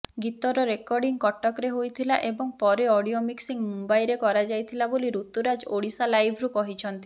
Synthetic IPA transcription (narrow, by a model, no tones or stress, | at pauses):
ɡit̪ɔɾɔɾekɔɾɖiŋkɔʈːɔkɾeɦojt̪ʰilaʔebɔŋpɔɾeɔɽiomiksiŋmumbajɾekɔɾad͡ʒajt̪ʰilaboliɾut̪uɾad͡ʒoɽisalajbʱɾukɔɦit͡ʃʰɔnt̪i